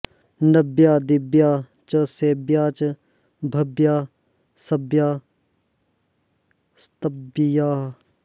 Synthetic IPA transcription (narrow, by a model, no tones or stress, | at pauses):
nɐbjaːd̪ɪbjaː | t͡ʃɐseːbjaːt͡ʃɐ | bʱɐbjaː | sɐbjaː | st̪ɐbjaːɦ